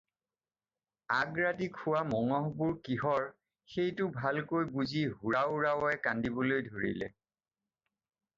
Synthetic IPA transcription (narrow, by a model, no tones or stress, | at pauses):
aɡɹatikʰʊwamɔŋɔɦbʊɹkiɦɔɹ | xejtʊbʱalkojbuziɦuɹaʊɹawɔɛkandibɔlojdʱoɹḭlɛ̰